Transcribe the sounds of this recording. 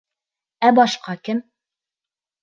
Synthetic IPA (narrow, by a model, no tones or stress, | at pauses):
æbɑʃqɑkɘm